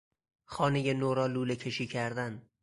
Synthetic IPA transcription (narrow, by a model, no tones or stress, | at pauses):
χɒːnejanoɾɒlulekʲʰe̞ʃicʲʰæɾd̪æn